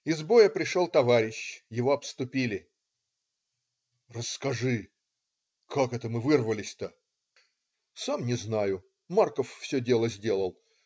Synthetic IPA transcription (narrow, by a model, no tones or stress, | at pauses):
ɪzbo̞jəpɾʲɪʂolˠt̪ɐvaɾʲɪɕjɪvo̞ɐpst̪ʊpʲilʲɪ | rəsːkɐʐɨ | kakɛt̪əmɨvɨrvəlʲɪsʲt̪ə | samnʲɪznajʊ | markəfːsʲɵdʲe̞lˠəzʲdʲe̞lˠəlˠ